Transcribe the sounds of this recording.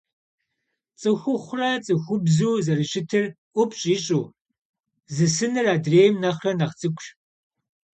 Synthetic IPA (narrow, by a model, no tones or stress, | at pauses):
t͡sʼɨxʷʊχʷrɐt͡sʼɨxʷʊbzuːzɐrɨɕɪtʰɨrʔʷʊpʰʼɕʼiːɕʼuː | zɨsɨnɨraːdreːjmnɐχɐnɐʁt͡sʼɨkʷʼɕ